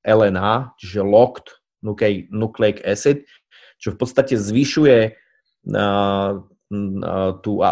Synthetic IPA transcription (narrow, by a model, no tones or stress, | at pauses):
ʔɛlɛnaːt͡ʃiʒɛlɔkt̪ | nukɛnuklɛkɛsɛt̪ | t͡ʃɔfpɔt̪st̪acɛzʋiʃujɛ | t̪ua̰